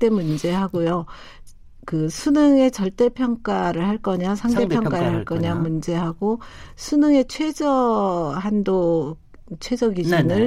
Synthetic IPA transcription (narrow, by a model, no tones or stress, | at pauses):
t͈e̞mund͡ʑe̞ɦaɡojo | kɯsʰunɯŋe̞t͡ɕʌɭt͈e̞pʰjʌŋk͈aɾɯɭhaɭk͈ʌɲasʰaŋɡe̞pʰjʌŋk͈aɾɯɭhaɭk͈ʌɲamund͡ʑe̞ɦaɡosʰunɯŋe̞t͡ɕʰwe̞d͡ʑʌɦando | t͡ɕʰwe̞d͡ʑʌɡid͡ʑinɯɭ